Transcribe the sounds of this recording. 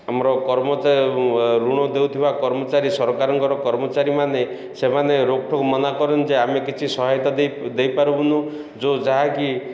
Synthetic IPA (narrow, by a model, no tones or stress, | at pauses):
amɾɔkɔɾmɔt͡ʃaɾɾuɽ̃ɔd̪ewt̪ʰibakɔɾmɔt͡ʃaɾisɔɾɔkaɾɔŋkɔɾɔkɔɾmɔt͡ʃaɾimane | semaneɾokʈʰɔkumɔnakɔɾend͡ʒeamekit͡ʃʰisɔɦajt̪aed̪ejpaɾubunu | d͡ʒod͡ʒaɦaki